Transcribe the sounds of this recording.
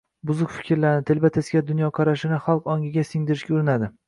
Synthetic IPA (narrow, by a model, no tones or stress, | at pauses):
bʊzʊkfɪ̥kʲɾlanɪt̪ʰelbat̪ʰesɡʲad̪ʊnjɒqʰɑɾaʃɪnɪχɑlˠqɒŋɡʲɪɡʲasɪŋd̪ɪɾɪʃkʲaʊɾɪnad̪ɪ